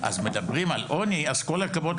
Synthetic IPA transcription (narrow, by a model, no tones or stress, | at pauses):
ʔa̰zme̞d̪abʁimalʔo̞niazko̞lakavo̞t